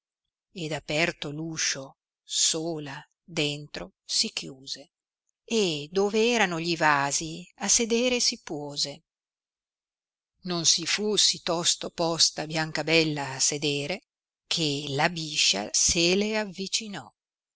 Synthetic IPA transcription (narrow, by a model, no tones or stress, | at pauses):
ed̪apɛrt̪oluʃo | soːla | d̪ent̪ɾo | sikjuːze | ed̪oːveɛːɾanoʎivaːziased̪eːɾesipwɔːze | nonsifusit̪ɔst̪opɔst̪abjaŋkabɛlːaːsed̪eːɾe | kʰelabiʃːa̰seleavːit͡ʃinɔ